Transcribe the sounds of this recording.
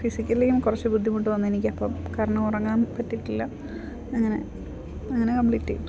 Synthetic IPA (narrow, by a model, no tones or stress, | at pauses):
fisikʲːɐlilejumkurɐt͡ɕːɨbud̪ʱːimuʈːɨʋɐnːuenikʲːɐpːɐmkɐɾɐɳɐmurɐŋːaːnpɐtːiʈːilːɐ | ɐŋːɐne̞̰ | ɐŋːɐnekɐmpliːtːḛjʈ̪ː